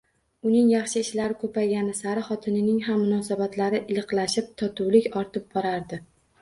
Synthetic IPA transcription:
ʊnɪŋjɑχʃɪɪʃlaɾɪkʰɵpajɡʲanɪsaɾɪχɒt̪ʰɪnɪnɪŋɦamːʊnɒsabat̪ʰlaɾɪʔɪlˠɨqlˠaʃɪp̚t̪ʰɒt̪ʰuwlɪkʲɒɾt̪ʰɪp̚bɒɾaɾd̪ɪ

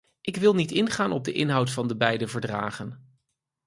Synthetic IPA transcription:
ʔɪkʋɪlˠnitɪnχaːnɔb̚dəʔɪnɦʌwtfɑndəbɛjdəvəɹdra̰ːχən

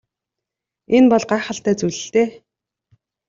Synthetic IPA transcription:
enpɔɮɢaːχə̆ɬt̪æːt͡sujɮɘ̆ɬt̪eː

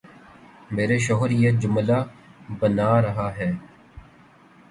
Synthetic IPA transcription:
meːɾeʃɔɦɾjed͡ʒʊmlaːbənaːɾəɦaːɦɛː

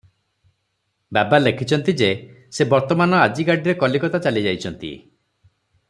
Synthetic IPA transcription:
babalekʰit͡ʃʰɔnt̪id͡ʒesebɔɾt̪ɔmanɔad͡ʒiɡaɽiɾekɔlikɔt̪at͡ʃalid͡ʒajt͡ʃʰɔnt̪ḭ

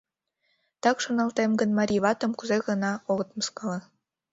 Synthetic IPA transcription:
t̪ɑkʃŏnɑlˠt̪emɡə̆nmɑɾʲiβɑt̪ŏmkuzeɣɤ̆nɑoɣɤ̆t̪mɤ̆skɑlɤ̆

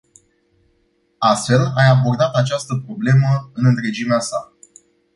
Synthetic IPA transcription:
ast̪fe̞lajabo̞rd̪at̪at͡ʃast̪əpɾo̞ble̞məɨnɨnt̪ɾe̞d͡ʒimeasa

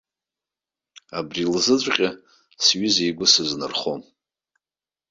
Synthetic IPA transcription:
abrilzɨt͡ɕʷʼqʲʼa | sɥizijɡʷʊsɨznɨrχom

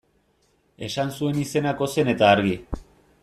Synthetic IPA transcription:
e̞sansue̞nise̞nako̞se̞ne̞t̪aːɾɣi

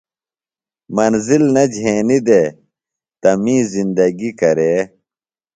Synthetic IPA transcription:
mɐnzilnɐd͡ʑʱeːnid̪eː | t̪ɐmĩːzind̪ɐɡikɐɾeː

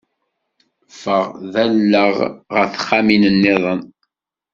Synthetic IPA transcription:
fəʁðælːəʁʁəθχːaminənːɪðˤən

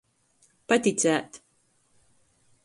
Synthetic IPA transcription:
pat̪ʲit̪sæːt̪

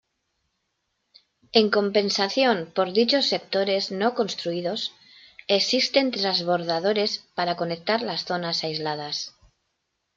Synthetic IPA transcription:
e̞ŋko̞mpe̞nsaθjonpo̞ɾðit͡ʃo̞sːe̞k̚t̪o̞ɾe̞zno̞ko̞nst̪ɾuiðo̞s | eksist̪e̞nt̪ɾazβ̞o̞ɾð̞að̞o̞ɾe̞spaɾako̞nek̚t̪aɾlasθo̞nasajzlað̞as

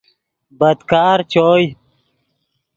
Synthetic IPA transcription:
bɐd̪kaːɾt͡ɕoːj

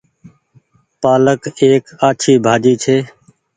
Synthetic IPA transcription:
paːləkeːkaːt͡ʃʰiːbʱaːd͡ʒiːt͡ʃʰeː

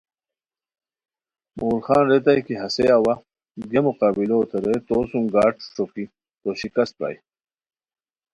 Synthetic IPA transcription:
molxɑːnɾet̪̬ajkiɦɐseawa | ɡemuqɑːbilot̪ɐɾejt̪oːsuŋɡaːʈʂoki | t̪oɕikɐst̪̚pa̰j

